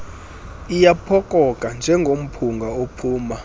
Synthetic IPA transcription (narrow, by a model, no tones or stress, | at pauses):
ijapʰɔkʼɔkʼand͡ʒʱɛŋɡʱom̩pʰuŋɡʱaopʰuːma